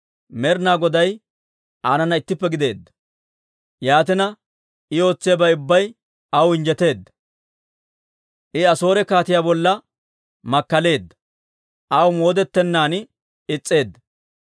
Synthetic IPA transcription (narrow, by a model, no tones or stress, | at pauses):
mɛɾnaːɡɔd̪ɐj | ʔaːnɐnɐɪt̪ːɪpːɛɡɪd̪e̞ːd̪ːɐ̥ | jaːt̪ɪnɐ | ɪjo̞ːt͡sːɪjɐbɐjʊbːɐj | ɐwɪnd͡ʒɛt̪e̞ːd̪ːɐ̥ | ʔɪɐso̞ːɾɛkaːt̪ɪjaːbɔlːɐ | mɐkːɐle̞ːd̪ːɐ̥ | ʔɐwmo̞ːd̪ɛt̪ːɛnːaːn | ɪt͡sʼːe̞ːd̪ːɐ